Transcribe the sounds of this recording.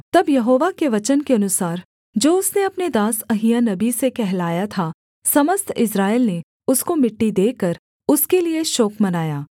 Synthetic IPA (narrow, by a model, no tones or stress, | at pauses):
t̪ɐbjɐɦoːʋakeʋɐt͡ʃənkeɐnʊsaːɾ | d͡ʒoːʊsneɐpned̪aːsɐɦijanɐbisekɛɦlaːjat̪ʰa | sɐməst̪ʰɪsɾaːɪlne | ʊskomɪʈːid̪eːkəɾ | ʊskelieʃɔːkmɐnaːjaː